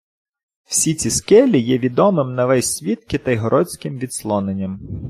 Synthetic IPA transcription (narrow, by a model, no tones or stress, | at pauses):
w̥sʲit͡sʲiskɛlʲijɛʋʲid̪ɔmɪmnɐʋɛsʲsʲʋʲit̪kɪt̪ɐjɦɔɾʔɔt͡sʲkɪmʋʲid̪slˠɔnenʲːɐm